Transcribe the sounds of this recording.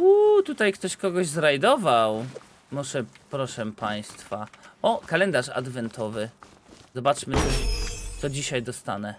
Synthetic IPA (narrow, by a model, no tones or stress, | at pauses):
ut̪ut̪ajkt̪ɔɕkɔɡɔʑzɾajd̪ɔvaw | mɔʐɛpɾɔʂɛpaj̃st̪faɔkalɛnd̪aʂa̰d̪vɛnt̪ʰɔvɘ | zɔbat͡ʂmɘt̪ɔt̪sɔd͡ʑiɕajd̪ɔst̪a̰nɛ